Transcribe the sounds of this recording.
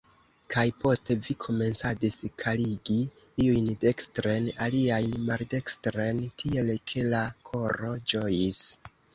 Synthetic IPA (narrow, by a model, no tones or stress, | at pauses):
kʰajpo̞ste̞vikʰo̞me̞nt͡sadiskʰaliɡi | iujnde̞kstɾe̞naliajnmalde̞kstɾe̞ntʰie̞lkʰe̞lakʰo̞ɾo̞d͡ʒo̞jis